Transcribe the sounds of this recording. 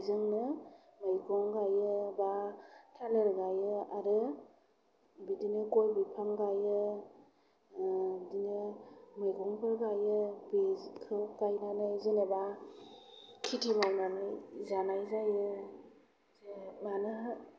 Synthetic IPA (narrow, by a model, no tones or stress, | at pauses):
zɯŋnɯmɯjɡɔŋɡajɯbatʰalɯɾɡajɯaɾɯ | bidinɯkojbipʰaŋɡajɯ | dinɯmɯjɡɔŋpʰɯɾɡajɯbikʰɯkajnanɯzɯneba | kʰitʰimawnanɯzanajzajɯ | manɯ